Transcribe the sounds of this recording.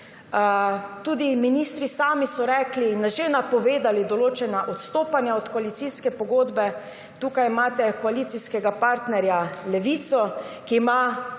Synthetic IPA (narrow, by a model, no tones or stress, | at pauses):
t̪uːd̪iminist̪ɾisaːmisɔɾɛːklinːaʒenapɔʋeːd̪alid̪ɔloːt͡ʃɛnaʔɔt̪st̪oːpanjaɔt̪kɔalit̪siskɛpɔɡoːd̪bɛ | t̪uːkajmaːt̪ɛkɔaliːt̪siskɛɡapaɾt̪nɛɾjalɛʋiːt̪sɔ | kiːma